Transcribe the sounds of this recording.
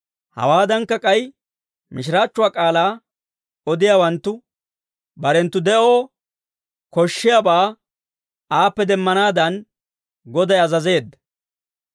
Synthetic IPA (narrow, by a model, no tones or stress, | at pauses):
hɐ̰waːd̪ɐŋkːɐkʼɐj | mɪʃ̬ɪɾaːt͡ʃːʊwaːkʼaːlaː | ɔd̪ɪjaːwɐnt̪ːʊ | bɐɾɛnt̪ːʊd̪ɛʔo̞ː | kɔʃːɪjabaː | aːpːɛd̪ɛmːɐnaːd̪ɐn | ɡɔd̪ɐjɐzɐze̞ːd̪ːɐ